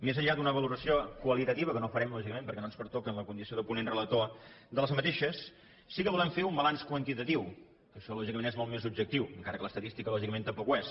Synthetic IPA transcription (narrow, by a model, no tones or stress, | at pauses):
mezəʎːad̪unəβ̞əluɾəsiokwəlˠit̪ət̪iβəkənofəɾɛmlɔʒikəmẽmpəɾkɛnonspəɾt̪okənləkund̪isioðəpunenrəlˠət̪o | d̪ələzmət̪eʃəsː | ikəβulɛmfeumbəlanskwənt̪it̪ət̪iw | kəʃɔlɔʒikəmenɛzmolˠt̪mezubʒək̚t̪iwəŋkaɾəkələst̪ət̪ist̪ikəlɔʒikəment̪əpɔkwɛs